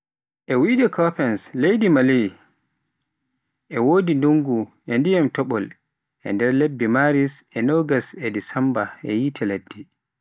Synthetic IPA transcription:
ʔɛwidɛkʰɔpɛnslejdimali | ʔɛwoːdinduŋɡu | ɛndijamtɔɓɔl | ʔɛ̰ndɛɾlebːimaɾisɛnɔɡasɛdisambaɛ̰jitʰɛledːi

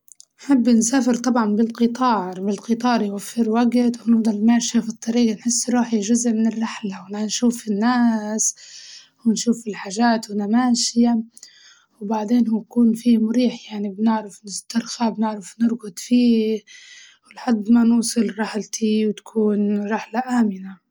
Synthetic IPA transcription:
nħabːnsaːfɪɾt̪ˤɑbʕɑnbɪlqɨt̪ˤɑːʕɾbɪlqɨt̪ˤɑːɾˤjwafːɪɾwaɡt̪wɪnɑfd̪ˤɑlmaːʃafit̪ˤːɑɾiːɡanħɪsːɾˤuːħiʒʊzʔmɪnɪrːaħlawɪnanʃuːfinːaːs | wɪnʃuːfɪlħaːʒaːt̪wɪnamaːʃɪja | wbaʕd̪eːnhujkuːnfiːmʊɾiːħjaʕnibnɪʕɾɪfnɪst̪ːɑɾˤxabnɪʕɾɪfnɪɾɡʊd̪ˤfiː | wlħad̪ːmanuːsˤɨlɾˤaħlt̪ʰiwt̪ḁkʰuːnɾˤɪħlaʔaːmɪna

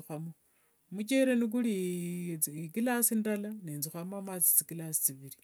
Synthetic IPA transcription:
xwamo | mut͡ʃeɾenik̬uli | kilasindalaneːnzixwamamat͡si̥t͡sikilasi̥t͡siβiɾi

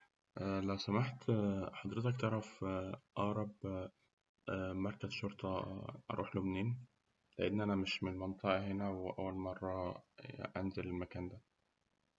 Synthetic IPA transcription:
ʔælæwsæmaħt̪ħɑd̪ˤɾet̪ɑkt̪ˤɑɾˤɑfʔɑːɾˤɑb | mɑɾˤkæzʃoɾt̪ˤɑʔɑ̰ɾˤuːħlomniːn | leʔenːʔænæmɪʃmenlmɑnt̪ˤɑʔɑɦenæwʔæwːælmɑrˤːɑ | ʔænzelelmækæːnd̪æ

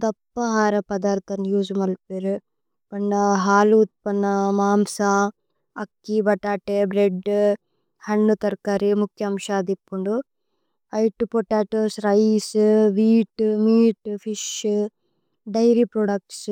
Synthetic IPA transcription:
d̪ɐpːɐɦaːɾɐpɐd̪aːɾt̪ɐnjuːd͡ʒumɐlpeɾ | pɐɳːɐɦaːlut̪̚pɐnːɐmaːmsa | ɐkːibɐʈaːʈebɾeɖ | hɐɳːut̪ɐɾkaːɾimukʰjɐmʃaːd̪ipːuɳɖu | ɐjʈupoʈaːʈosɾɐjsʋiːʈmiːʈpʰiʃ | ɖɐjɾipɾoːɖɐk̚ʈs

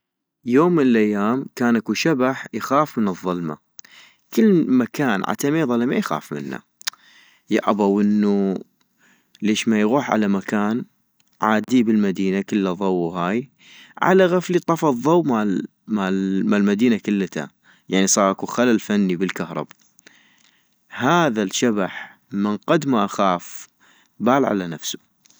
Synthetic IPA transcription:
joːmːənɪlʔajːaːmkaːnʔakuʃabaħjxaːfmənɨðˤːʊlma̰ | kəlːmakaːnʕa̰t̪ameːðˤɑlmajxa̰ːfmɪ̰nːa̰ | ja̰ʔabawʔɪnːu | leːʃmajɣuːħʕa̰lamakaːn | ʕa̰ːd̪ibɪlmad̪iːnakəlːaðˤɑwːɦaːj | ʕa̰laɣaflit̪ˤɑfɑðˤːɑwma | mamalmad̪iːnakəlːat̪ʰa̰ | jaʕnisˤɑːɾˤʔakuxalalfanːibəlkahɾˤɑ̰ba | haːðalʃabaħ | mɪnqɑd̪maʔaxaːf | baːlʕa̰lanafsu̥

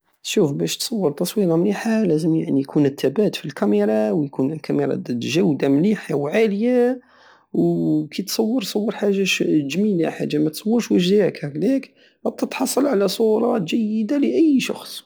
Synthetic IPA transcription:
ʃufbæʃt̪sˤɑwːəɾˤt̪ɑsˤwiɾɑmliħalæzəmjaʕnijkʰunət̪ʰːæbæt̪filkæmiɾˤɑwjkunəlkæməɾˤɑ̰ʒæwd̪amliħawʕaləja | wkit̪sˤɑwːəɾˤsˤɑwːəɾˤħaʒːaʃʒmilħad̪ːamæt̪sˤɑwːəɾʃwəʒd̪iʕəkhæklæk | ɑt̪ːɑt̪ħɑsˤːɑlʕalæsˤuɾˤɑʒəjːəd̪aləʔəjːʃɑ̰xsˤ

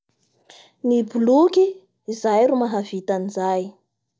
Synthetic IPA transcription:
nibulukʲiː | zajɾumaɦavit̪anizaj

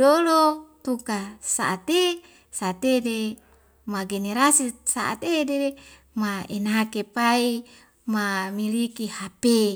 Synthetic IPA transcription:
dolot̪ukasa̰ʔːt̪e | sat̪ede | maɡeneɾasisa̰ʔa̰t̪edee | maenakepai | mamilikihape

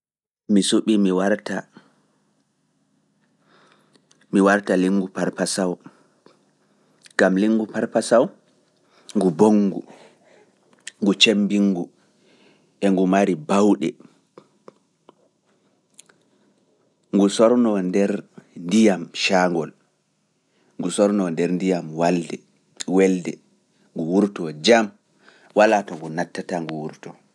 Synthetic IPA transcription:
misuɓimiwaɾta | miwaɾtaliŋɡupaɾpasaw | ŋɡamliŋːɡupaɾpasaw | ŋɡuboŋːɡṵ | ŋɡut͡ʃembiŋɡu | ʔɛŋɡumaɾibawɗɛ̰ | ŋɡusɔɾnɔndɛɾndijamʃaŋɡɔl | ŋɡusɔɾnɔndɛɾndijamwaldɛ | wɛldɛ | ŋɡuwuɾtɔd͡ʒam | walatɔŋɡunatːataŋɡuwuɾtɔ

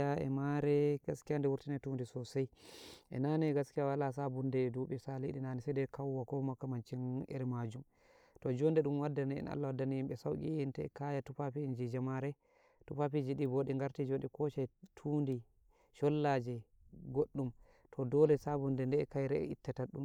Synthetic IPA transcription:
aɛ̰maɾɛɡaskijandɛwuɾtinatundisɔsajʔɛ̰naniɛɡaskijawalas̬abundɛduɓisaliɗinanisadɛkʰawːakɔmakːamant͡ʃinɛ̰ɾɛmad͡ʒum | tɔd͡ʒɔndɛɗumwadːaniɛ̰na̰lːawadːanijimɓɛsawɡḭɛntɛɛ̰kajatupapind͡ʒid͡ʒamaɾɛ | tupapid͡ʒiɗiboɗiŋɡaɾtid͡ʒonɗikɔʃajtʰundi | ʃɔlːad͡ʒɛ | ɡoɗːum | tʰɔdɔlɛsabundɛndɛɛ̰kajɾɛ̰ḭtːataɗṵm

